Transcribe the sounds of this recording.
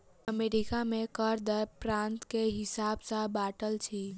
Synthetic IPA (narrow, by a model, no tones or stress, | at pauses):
əmeɾikamẽkəɾd̪əɾpɾãnt̪keɦɪsabsə̃baʈəlt͡ʃʰi